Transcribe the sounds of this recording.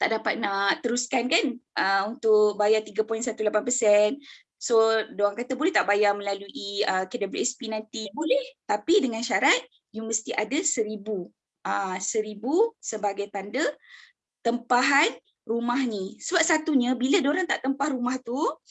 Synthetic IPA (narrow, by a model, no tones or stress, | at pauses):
t̪aʔdapat̪̚naʔt̪əɾuskankanʔəunt̪ʊk̚bajart̪iɡapɔjnsat̪ulapanpəsɛn | sodoɾaŋkat̪əbolɛht̪aʔbajarmə̃laluʔiəkɛdəbɾiʔɛspinãnt̪ibolɛht̪apidəŋanʃaɾat̪̚ | juməst̪iʔadasəɾibu | əsəɾibusəbaɡajt̪andə | t̪əmpaɦan | rumahnĩsəbap̚sat̪uɲãbiladoɾaŋt̪aʔt̪əmpahɾumaht̪u